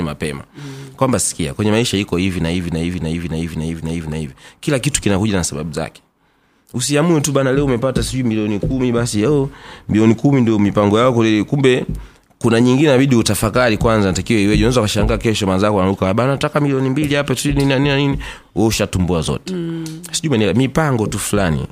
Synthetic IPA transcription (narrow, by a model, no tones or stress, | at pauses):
ima̰pɛma̰kwambasi̥kia̰kwɛɲɛmaiʃaikɔhivinahivinahivinaivinahivinahivinahivinahivikilakitu̥kinakuʄanasaɓa̰ɓuza̰kɛ̥ | usiamuɛtuɓanalɛɔumɛpatasiʄuimiliɔnikumiɓasiɛɔmiliɔnikumindiɔmipaŋɡɔjaɔkulikumbɛ | kunaɲiŋɡinɛnaɓiɗiutafakaɾikwanzatakiwɛiwɛʄunɛzakaʃaŋɡaːkɛʃɔmanzakwanalukaaɓanatakamiliɔnimbiliapasinininanininanini | wɔuʃatumbuazɔ̰tɛ̥siʄumanilamipaŋɡɔtufulanḭ